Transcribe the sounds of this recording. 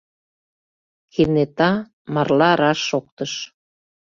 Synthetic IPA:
kenet̪ɑ | mɑrlɑɾɑʃːok̚t̪əʃ

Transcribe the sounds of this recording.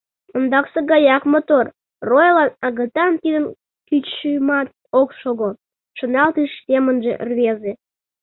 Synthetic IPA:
ond̪ɑkseɡɑjɑkmot̪or | rojlɑnɑɣət̪ɑnt̪id̪ən | kyt͡ɕʃyjmɑt̪̚ | okʃoɣo | ʃonɑlt̪iʃsʲemənʒḛʔrβeze

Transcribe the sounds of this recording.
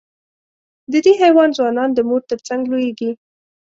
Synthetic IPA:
d̪əd̪eɦajwɑnzwɑnɑnd̪əmoɾt̪əɾt͡saŋɡlojeɡi

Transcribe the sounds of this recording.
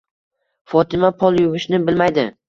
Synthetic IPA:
fɒt̪ʰɪmapʰɒlˠjʊvɪʃnɪbɪlmajd̪ɪ

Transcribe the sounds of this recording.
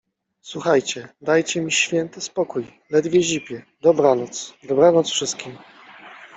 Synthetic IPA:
swuxajt͡ɕɛd̪ajt͡ɕɛmʲiɕfʲjɛnt̪ɪspɔkuj | lɛd̪vʲjɛʑipʲjɛ | d̪ɔbɾanɔt̪sd̪ɔbɾanɔt̪sfʂɘst̪kʲim

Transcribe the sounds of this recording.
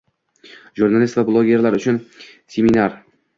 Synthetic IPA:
ʒuɾnalʲist̪vablˠoɡʲe̞ɾlaɾʊt͡ʃʰʊn | sʲeminaɾ

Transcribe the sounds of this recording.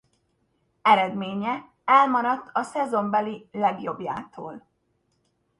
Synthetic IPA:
ɛɾɛd̪meːɲɛ | ɛlmɒɾɒt̪ːʰɒsɛzo̞mbɛlilɛɡjo̞bja̰ːt̪ʰo̰ːl

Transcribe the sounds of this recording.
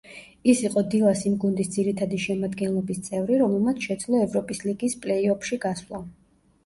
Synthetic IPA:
isiqʼɔd̪ilˠasimɡund̪isd̪ziɾit̪ʰad̪iʃɛmad̪ɡɛnlˠɔbist̪sʼɛvɾiɾɔmɛlˠmat̪sʰʃɛd̪zlˠɔɛvɾɔpʼisliɡispʼlɛiɔpʰʃiɡaswlˠa

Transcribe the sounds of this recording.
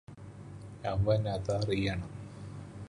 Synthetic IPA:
ɐʋɐnɐðarijɐɳɐm

